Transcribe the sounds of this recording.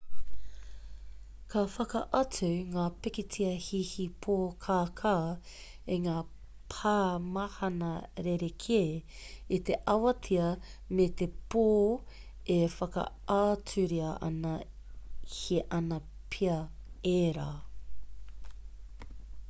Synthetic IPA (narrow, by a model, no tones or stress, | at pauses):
kʰɐfɐkɐʔɐt͡sʉŋaːpekit͡siɐhihipʰoːkʰaːkʰaː | eŋaː | pʰaːmɐhɐnɐɾeɾekʰeː | it̪eʔɐwɐt͡siɐ | met̪epoː | efɐkɐ̰ | aːt͡sʉɾiɐʔɐ̰nɐ | hiʔɐnɐ | pʰiɐeːɾaː